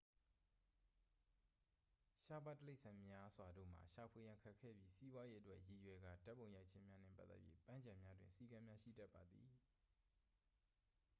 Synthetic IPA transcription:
ʃa˨ba˦˨tːəle˦ɪʔsʰã˨mja˦z̥wa˨do̰˦˨m̥a̰˨ʃa˨pʰwe˨jã˨ŋkʰa˦˨kʰːɛ̰˦˨bji˦si˦bwa˦je˦ʔətwɛ˦ʔji˨jwɛ˨ɡa̰˦˨da˦pːo˨ʊ̃ja˦ɪʔt͡ɕʰɪ̃˦mja˦nɛ̰˦˨pa˦t̪ːɛ̰˦ʔjḛ˦˨pã˦ɲd͡ʑã˨mja˦dwɪ̃˨nsi˦kã˦mja˦ʃḭ˦˨dɛ˦ʔpːa˨d̪i˨

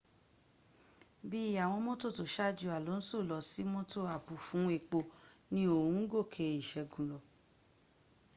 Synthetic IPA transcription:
bi˦a˨w̃ɔ̃˧mõ˦to˦˨to˨ʃa˦˨d͡ʒu˨˧˨a˨lo˨˦n̩˦so˦˨lɔ˨si˦mõ˦to˦˨a˨bu˨fũ˨˦e˦˨k͡po˧nĩ˦o˨ũ˨˦ɡo˦˨kʰe˨˧i˨ʃɛ˨ɡũ˨lɔ˨

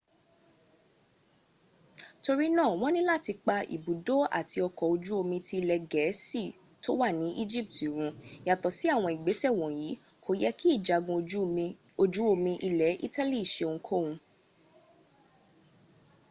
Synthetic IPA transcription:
to˧ɾi˦nã˦˨w̃ɔ̃˦nĩ˦la˦˨ti˧k͡pa˧ḭ˨bu˨do˦a̰˦˨ti˧ɔ˧kɔ˨o˧d͡ʒu˦o˧mĩ˧tʰi˧lɛ˧ɡɛ˨˦si˦˨ | to˦wa˦˨nĩ˨˦ʔi˦d͡ʒi˦˨p̚ti˨ɾ̃ũ˧ja˨tɔ˨si˨˦a˦˨w̃ɔ̃˧i˨ɡ͡be˨˦sɛ˦˨w̃ɔ̃˨ji˨˦ | kʰo˦jɛ˦ki˦i˦˨d͡ʒa˨ɡũ˧ | o˧d͡ʒu˨˦o˧mĩ˧ʔi˧lɛ˨˦ʔḭ˦ta˦li˦˨i˨ʃe˧o˨˧ŋ̩̃˧˦kʰo˦˨wũ˧

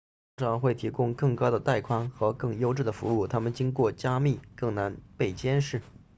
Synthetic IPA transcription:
ʈ͡ʂɑ˥˧˩ŋxwe˥˩ɪt̪ʰi˧˥kʊ˥ŋkɤ˥˩ŋkɑ˥ʊd̪ə˨t̪a˥˩ɪkʰwɑ˥ŋxɤ˧˥kɤ˥˩ŋjo˥ʊʈ͡ʂɻ̩˥˩d̪ə˩fṵ˧˥u˥˩t̪ʰa˥mə˨nt͡ɕi˥ŋkwɔ˥˩t͡ɕja˥mi˥˩kɤ˥˩ŋna˧˥npe˥˩ɪt͡ɕjɛ˥nʂɻ̩˥˩

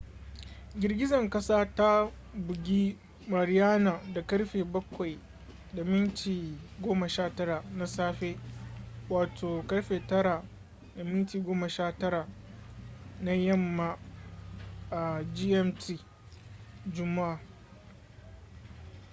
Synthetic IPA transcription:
ɡʲɪ˨rɡʲɪ˦zɐ˨ŋkɐ˦saː˦ta˦ | bʊ˨ɡʲi˦ | mɐ˨ɾɪ˦jaː˦na˨da˨kɐ˦ɽɸeː˨bɐ˦kʷa˨j | da˨mɪ˦ntiː˨ɡʷoː˦mɐ˨ʃaː˦tɐ˦ɾa˨na˦saː˦ɸeː˦ | waː˨tʰoː˨kɐ˦ɽɸeː˨tɐ˦ɾa˨ | da˨mɪ˦ntiː˨ɡʷoː˦mɐ˨ʃaː˦tɐ˦ɽa˨ | na˦jɐ˦mːa˨ | ʔa˨d͡ʒiː˦ʔɛ˦mtiː˦ | d͡ʒʊ˦mːa˦ʔa˨

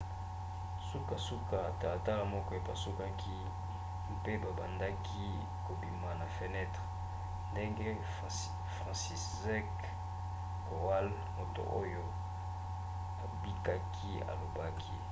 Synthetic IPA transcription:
su˦ka˨su˦ka˨ta˨a˨ta˦la˨mɔ˦kɔ˦e˨pa˨su˦ka˦ki˦ | m˦pe˦ba˨ba̰˨nda˦kʰi˦ | ko˨bi˨ma˨na˨fe˦nɛ˦tʁ | nde˦ŋɡe˦ | fʁã˨si˨s | ɛ˦k | ko˨a˦l | mo˨to̰˨ʔo˦jo˦ | a˨bi˦ka˦kʰi˦a̰˨lo˨ba˦kʰi˦

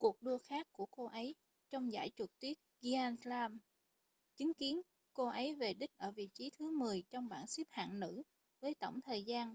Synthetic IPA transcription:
ku˨˩ək̚ɗɨ˧əxaː˦˥kkːu˧˩əko˧ʔə˨˦j | t͡ɕɔ˧wŋ͡mza̰ː˧˩jt͡ɕʊ˨˩k̚t̪wi˦˥ət̚ɣi˧ʔaː˧nslaː˧m | t͡ɕi˨˦ŋki˨˦ən | ko˧ʔə˨˦jve˨˩ɗï˦˥k̟̚ʔəː˧˩vḭ˧˨t͡ɕi˨˦t̪ʰɨ˨˦mɨ˨˩əjt͡ɕɔ˧wŋ͡mɓaː˧˩nsi˦˥p̚ha̰ː˧˨nnɨ̰˧˥ | vəː˨˦jt̪o˧˩wŋ͡mt̪ʰəː˨˩jzaː˧n

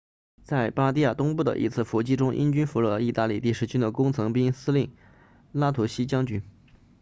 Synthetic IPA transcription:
t͡sa˥˩ɪpa˥t̪i˥˧ja˥˩t̪ʊ˥ŋpu˥˩d̪ə̰˩ʔḭ˧˥t͡sʰɹ̩˥˩fɔ˧˥t͡ɕi˥ʈ͡ʂʊ˥ŋʔḭ˥nt͡ɕy˥nfu˧˥ɻɤ˧i˥˧t̪a˥˧li˥˩t̪i˥˩ʂɻ̩˧˥˩t͡ɕʰy˥nd̪ə˨kʊ˥ŋt͡sʰɤ˧˥ŋpi˥ŋsɹ̩˥li˥˩n | la˥t̪ʰu˧˥ɕi˥t͡ɕjɑ˥ŋt͡ɕy˥n

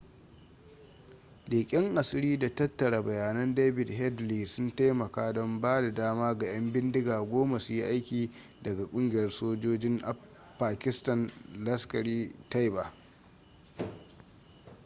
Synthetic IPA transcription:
liː˨kʲʼɪ˦ŋʔa˨sɪ˦ɾiː˦da˨tɐ˦tːɐ˨ɽa˨bɐ˨jaː˨nɐ˦ndeː˦bɪ˨dɦɛ˦dliː˨sʊ˦nta˦jmɐ˨kaː˦dɔ˦mbaː˦da˨daː˦maː˦ɡa˨j̰ɐ˦mbɪ˦ndɪ˦ɡaː˨ɡʷoː˦ma˨sʊ˨ji˦ʔa˦jkʲiː˨ | dɐ˨ɡa˨kʷʼʊ˦ŋɡʲɪ˨jɐ˦rsoː˦d͡ʒoː˦d͡ʒɪ˦ŋʔa˨ | pːaː˨kʲɪ˦stɐ˨nlɐ˦skɐ˨ɾiː˦ta˦jba˨

